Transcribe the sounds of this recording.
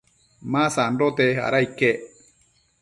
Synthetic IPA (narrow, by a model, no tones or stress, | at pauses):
mãsaɳɖot̪eha̰ɾaike